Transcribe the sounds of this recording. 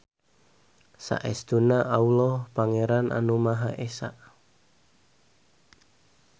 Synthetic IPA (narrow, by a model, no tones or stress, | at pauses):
sa̰ʔɛst̪unaʔaulɔhpaŋeɾanʔa̰numaɦaʔesa̰ʔ